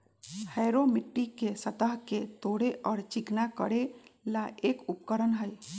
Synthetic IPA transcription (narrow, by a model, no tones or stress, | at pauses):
hɛːɾomɪʈːikesət̪əɦket̪oːɽeʔɔːɾt͡ʃɪknakə̰ɽelaʔeːkʊpkəɾənɦəj